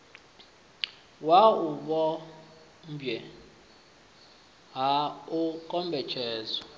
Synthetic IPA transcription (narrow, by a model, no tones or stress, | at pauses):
wauɓɔ | mbjɛ | ɦaukʼɔmbʱɛt͡ʃʰɛːzɔ